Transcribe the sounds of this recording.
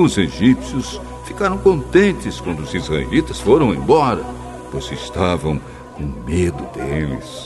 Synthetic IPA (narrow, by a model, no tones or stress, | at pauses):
ʊzeʒipsjʊs | fi̥kaɾɐ̃w̃kõnt̪ẽnt͡ʃ̪ɪskwɐ̃nd̪ʊzizʁaḛlit̪ɐsfoɾɐ̃w̃ḛ̃j̃bɔɾɐ | posɪst̪avɐ̃w̃ | kõmed̪ʊd̪elɪ̰s